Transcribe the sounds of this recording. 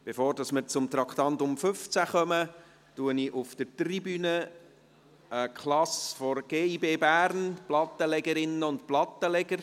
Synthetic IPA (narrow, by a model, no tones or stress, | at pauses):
b̥efoːɾd̥ɑsməɾt͡sʊmt̪ɾɑkχt̪ɑnt̪ʊmfʏft͡sæχœmə | tuəniʔʊfd̥ətribyːnə | əkχlɑsfɔɾɡ̥eːibeːbæːɾnplɑt̪ːəlɛɡəɾɪnːəʊntplɑt̪ːəlɛɡ̥əɾ